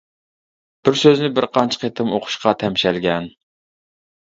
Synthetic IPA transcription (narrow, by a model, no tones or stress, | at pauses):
b̥ɪɾsøznɪbɪɾqɑnt͡ʃʰqʰet̪ʰɪmoqʰʊ̥ʃqʰɑt̪ʰɛmʃɛlɡʲɛn